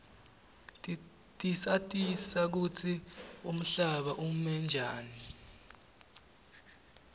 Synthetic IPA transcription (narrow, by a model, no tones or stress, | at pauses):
tʼisatʼisak̬ut͡sʰium̩ɬaɓaʔumɛnd͡ʒʱaːni